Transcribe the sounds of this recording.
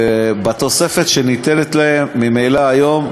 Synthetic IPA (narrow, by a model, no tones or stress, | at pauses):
bat̪o̞se̞fet̪ʃenit̪enet̪laemːimejlaːjo̞m